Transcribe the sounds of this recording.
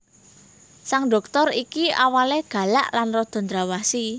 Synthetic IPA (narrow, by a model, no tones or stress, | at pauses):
saŋɖɔ̤k̚t̪ɔɾikiʔawaleɡ̥ä̤laʔlanrɔd̪̥ɔ̤nd̪ɾawasi